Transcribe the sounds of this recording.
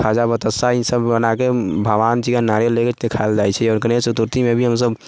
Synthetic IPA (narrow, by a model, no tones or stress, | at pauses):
ad͡ʒabət̪əsaisəbbənakebʱəʋant͡ʃikanaɾeleket̪ekʰaeld͡ʒajt͡ʃʰɛɔːɾkənesut̪uɾt̪imebʱiɦəmsəb